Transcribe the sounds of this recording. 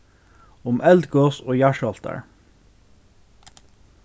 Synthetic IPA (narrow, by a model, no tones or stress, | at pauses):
ʊmʔɛld̪ɡoːsoːjæʃɑlt̪ə̰ɹ